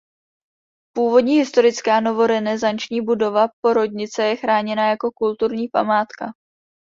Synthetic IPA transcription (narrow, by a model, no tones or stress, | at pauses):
puːvo̞dɲiːɦɪst̪o̞ɾɪt͡skaːno̞vo̞ɾɛnɛzant͡ʃɲiːbudo̞vap̚o̞ɾo̞dɲɪt͡sɛjɛxɾaːɲɛnajako̞kult̪uɾɲiːpa̰maːt̪ka